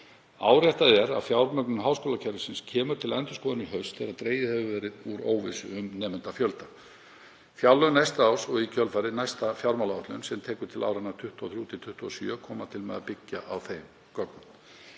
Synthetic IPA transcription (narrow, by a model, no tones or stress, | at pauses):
aːwɾjajht̪aðɛɾa̰ðfjawɾmœk̚nʏmɦaːwskoːlacʰɛɾʏsɪnscʰɛːmʏɾt̪ʰɪlɛnt̪ʏskɔːðanʏɦœɥst̪θɛɾaðt̪ɾeːjðɪhɛvʏvɛːɾɪðuɾoːwvɪsʏʏmnɛːmɛnt̪afjœlt̪a | fjawlːœnajst̪aaːwsɔɣicʰœlfaɾɪnajst̪afjawɾmawlaawht̪lʏnsɛmt̪ʰɛːkʏɾ̥t̪ʰɪla̰wɾanat̪ʰʏht̪ɔθɾjuːt̪ʰɪlt̪ʰʏht̪ɔsjœːkʰɔːmat̪ʰɪlmɛ̰ðapɪcːaʔawθejm | kɔknʏ